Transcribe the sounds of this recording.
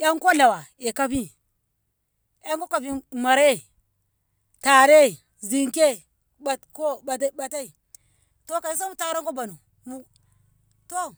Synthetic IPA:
ja˦ŋ˦ko˦la˨wa˨ | e˨ka˦bi˦ | ja˦ŋko˦ka˨bi˨ma˨ɾe˦˨ | ta˨ɾe˦˨ | zi˨ŋke˦ | ba˨ko˦a˨˦ba˨ta˦i˨ | to˦ka˨i˦s̬a˦mu˨ta˦ɾa˦ŋko˦ba˨nu˨ | mu˨ | to˦

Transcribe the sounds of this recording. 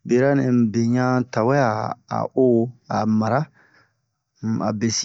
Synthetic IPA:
be˨ɾa˦nẽ˨be˨ɲã˦ta˨wɛ˦a˨a̰˨o˦a̰˨ma˨ɾa˦ | m̩˨a̰˨be˨si˦

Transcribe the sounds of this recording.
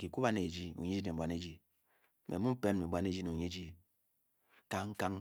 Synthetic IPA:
ki˨ku˦ba˦ne˨d͡ʒi˦ṵ˨ɲe˦d͡ʒi˦ne˨bʷa˨ne˦d͡ʒi˦˨ | mʔe˨mu˦pe˦n˨me˨bʷa˦n˦e˦d͡ʒi˦ne˨u˨ɲe˦d͡ʒi˦ | ka˦ŋ̩˦ka˦ŋ

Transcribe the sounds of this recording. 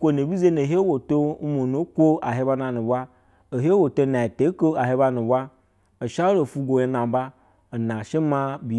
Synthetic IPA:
kʷo˦no˨bʲi˦ze˦no˨ɦe˦wo˨to˦mo˨nu˨˦kʷo˦a˨ɦe˦ba˧na˨nu˨ba˦ | o˨ɦe˦wo˨to˦na˨i˨te˨˦ko˦a˨ɦe˦ba˧nu˨ba˦ | o˨ʃa˦lo˨fu˧ɡʷo˨je˧na˨˦ba˦ | o˨na˨ʃe˦ma˧bi˨

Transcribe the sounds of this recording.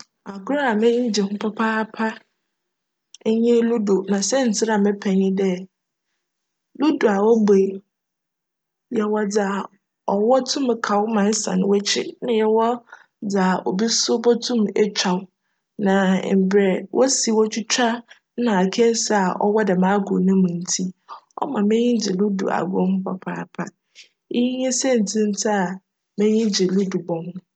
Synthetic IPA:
a˨kʊ˦ɾa˦a˨mɪ̃˦ɲĩ˦d͡ʑi˨hʊ̃˦pʰɔ˦pʰa˦pʰa˦ | ɲɛ̃˦lu˦do˨nã˨sɛ˦n̩˨t͡sʰɪ˦ɾa˨mɪ̃˦pʰɛ˨ɲɪ̃˦dɛ˦ | lu˦du˨a˨wɔ˦be˨ | jɛ˨wɔ˦d͡za˨ | ɔ˨wɔ˦tʰʊ̃˦m˨kʰa˨wmã˨˦sã̰˨nɪ̃˦wɔ˦t͡ɕʰɪ̰˦nã˦jɛ˦wɔ˦ | d͡za˨ʔɔ˨bi˦sʊ˦bɔ˦tʰũ˦mɛ˦t͡ɕᶣa˨w | nã˨m̩˨bɾɛ˨wʔɔ˦si˨wɔ˦t͡ɕʰᶣi˦t͡ɕʰᶣa˦ | nã˨a˨kʰɛ˦sa˦a˨ʔɔ̰˦wɔ˦dɛ˨mã˨˦ɡʊ̰˨nʊ̃˦mũ˨n̩˨tʰi˦ɔ̰˦mã˨mɛ̃˦ɲĩ˦d͡ʑɪ˨lu˦dṵ˨ʔa̰˨ɡʊ̃˦m˦pʰa˨pʰa˨pʰa̰˨ | i˦ji˦ɲɛ̃˦sɛ˦˨n̩˨tʰĩ˦n̩˦tʰɪ˦a˨ | mɛ̃˦ɲĩ˦d͡ʑɪ˨lu˦du˨bɔ̃˨n˨

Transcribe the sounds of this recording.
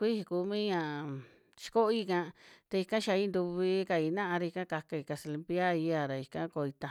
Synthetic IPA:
kʷi˦hi˧ku˧˦mĩ˦ɲã˧˨ | t͡ʃi̥˧ko˦i˦kã˧t̪a˧i˧kã˦ʃa˧i˧˦nd̪u˧βi˧ka˧i˧˨nã˦ʔa˧ɾa˧i˧kã˦ka˧ka˧i˧˨ka˧se˧li˧mpja˦i˧˦a˧˨ɾa˨i˧kã˦ko˧i˧t̪a˧

